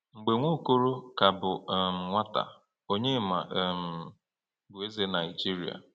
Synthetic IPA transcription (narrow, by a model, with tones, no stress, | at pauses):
ŋ͡m̩˨ɡ͡be˨ŋʷo˦ko˦ɾo˦ka˨bʊ˨m̩˨ŋʷa˦ta̰˨ | o˦ɲe˦ma˨m̩˨ | bʊ˨e˦ze˦na˨ɪ˨d͡ʒi˦ɾi˨a̰˨